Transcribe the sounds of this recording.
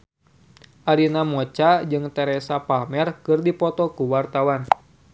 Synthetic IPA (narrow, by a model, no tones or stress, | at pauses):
ʔaɾinamɔt͡ʃad͡ʒɨŋt̪ɛɾɛsapalmɛrkɨrdipɔt̪ɔkuwart̪awan